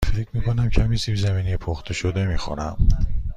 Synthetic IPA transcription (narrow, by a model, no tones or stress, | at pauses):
fecʰmiːkʰonæmcʰæmisiːbzæmiːnijepʰoxt̪ʰeʃod̪e̞miːxṵnæ̰m